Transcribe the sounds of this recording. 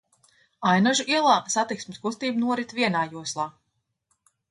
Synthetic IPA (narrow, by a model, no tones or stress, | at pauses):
ajnaʒuʔiɛlˠaːsat̪iksmɪskust̪iːbnuɔɾit̪viɛnaːjuɔslˠaː